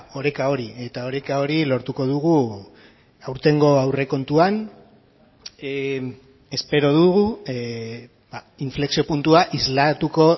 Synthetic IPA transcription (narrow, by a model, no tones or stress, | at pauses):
o̞ɾekao̞ɾie̞t̪ao̞ɾekao̞ɾilo̞ɾt̪uko̞ð̞uɣu | awɾt̪e̞ŋɡo̞awre̞ko̞nt̪uan | e̞spe̞ɾo̞ðuɣu | ba | iɱfle̞ksio̞punt̪uaʔizlat̪uko̞